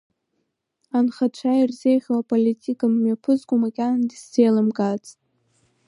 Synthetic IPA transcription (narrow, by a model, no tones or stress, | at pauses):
anχat͡ʃʷʰajirzejχʲowapʼolitʲʼikʼamːjapʰɨzɡʷʼumakʲʼanndisz̥ejlɨmɡʼat͡sʼ